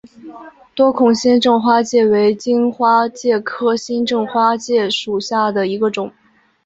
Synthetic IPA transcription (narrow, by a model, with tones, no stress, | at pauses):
t̪wɔ˥kʰʊ˨˩ŋɕɛ˥nʈ͡ʂɤ˥˧ŋxwa˥t͡ɕjɛ˥˩we˧˥ɪt͡ɕi˥nxwa˥t͡ɕjɛ˥˩kʰɤ˥ɕi˥nʈ͡ʂɤ˥˧ŋxwa˥t͡ɕjɛ˥˩ʂu˨˩ɕja˥˩d̪ə˩i˧˥ɡə˧ʈ͡ʂʊ˨˩˦ŋ